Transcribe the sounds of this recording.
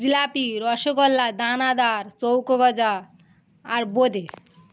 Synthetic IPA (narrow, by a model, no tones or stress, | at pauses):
ilapiɾɔʃokɔlːad̪anad̪aɾt͡sowkoɡɔd͡zaː | ɾbod̪ʱe